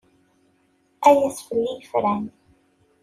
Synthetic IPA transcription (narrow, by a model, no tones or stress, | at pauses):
æjæsfəlːijəfɾæn